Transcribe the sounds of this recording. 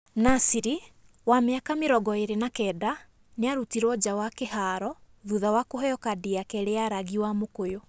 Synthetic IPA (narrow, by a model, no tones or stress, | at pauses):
nasiɾi | wameakameɾɔɡɔeɾenakɛːda | neaɾutiɾɔd͡ʑawakehaːɾɔ | ðuðawakohɛjɔkadiakɛɾeaɾaɣiwamokojo